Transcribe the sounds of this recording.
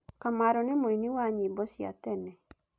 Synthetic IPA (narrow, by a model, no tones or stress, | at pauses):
kamaɾɔnemoiniwaɲibɔsja̰tɛnɛ